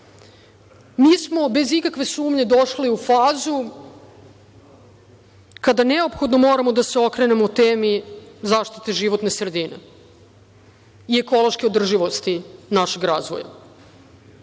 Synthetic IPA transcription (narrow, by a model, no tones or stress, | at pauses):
miːsmo̞be̞zikakʋe̞suːmɲe̞d̪oʃliufaːzu | kad̪aneopxo̞d̪no̞mo̞ːɾamo̞d̪aseokɾene̞mout̪eːmizaːʃt̪i̥t̪eʒiʋot̪ne̞sɾed̪inḛ | ieko̞lo̞ʃkeod̪r̩ʒiʋost̪inaʃe̞ɡɾaːzʋo̰ja̰